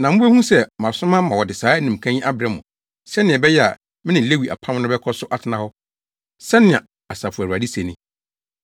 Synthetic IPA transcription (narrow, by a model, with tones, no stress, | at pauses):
nã˨m̩˦bɛ˦hũ˦sɛ˦mã˨sʊ̃˦mã˦mã˨wɔ˨dɪ˨saː˨˦nĩ˨m̩˨kʰã˦ɲĩ˦ʔa˦bɪɾɛ˦mʊ̰̃˨ | sɛ˦nɪ̃˨ɛ˨bɛ˦jɛ˦a̰˨ | mɪ̃˦nɪ̃˨le˦wi˨ʔa̰˨pʰã˦m˦nʊ̃˦bɛ˦kʰɔ˦sʊ˦ʔa˦tʰɪ˨nã˦hɔ˦ | sɛ˦nɪ̃˨a˨ | a˨sa˨fu˨æ˨wa˨di˦se˨nɪ̃˨